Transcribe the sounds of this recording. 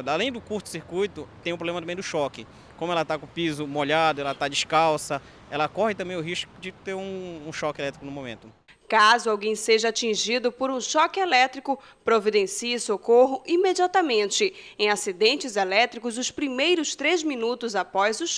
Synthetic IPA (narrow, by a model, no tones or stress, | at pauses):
d̪alẽj̃d̪ʊkuɾt̪ʊ̥siɾkujt̪ʊt̪ẽj̃ʊpɾoblẽmɐt̪ɐ̃mẽj̃d̪ʊʃɔkɪ | kõmʊɛlɐt̪akõpizʊmoʎad̪ʊɛlɐt̪ad͡ʒiskawsɐ | ɛlɐkɔhɪt̪ɐ̃mbẽj̃ʊɦiʃkʊd͡ʒɪt̪eɾũːʃɔkɪelɛt̪ɾikʊnʊ̃mõmḛ̃nt̪ʊ | kazʊawɡẽj̃seʒɐat͡ʃĩʒid̪ʊpoɾũʃɔkɪelɛt̪ɾikʊ | pɾovid̪ẽsiɪsokoɦʊʔimed͡ʒiat̪ɐmẽnt͡ʃɪẽj̃asid̪ẽnt͡ʃɪzelɛt̪ɾikʊzʊspɾimejɾʊst̪ɾezmĩnut̪ʊzapɔjzʊʃ